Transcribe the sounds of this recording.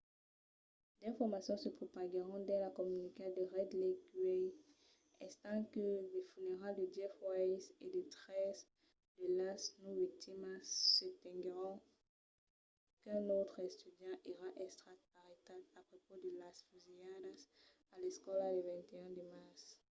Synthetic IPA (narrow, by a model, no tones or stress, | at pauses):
d̪ɛ̃fɔʁmasjɔ̃səpχopaɡəʁɔ̃d̪ɛ̃lakɔmyniked̪əʁɛd̪leɡɥɛ | ɛ̃st̪ɑ̃kələfyneʁald̪əd͡ʒɛfwajsed̪et̪ʁɛs | d̪əlasnuvik̚t̪imasət̪ɛ̃ɡʁɔ̃ | kɛ̃not̪χɛst̪yd̪jɑ̃ʔiʁaʔɛst̪χat̪̚aʁet̪abapχopod̪əlasfyziad̪as | alɛskɔlaləvɛ̃nt̪eɛ̃d̪əmaʁs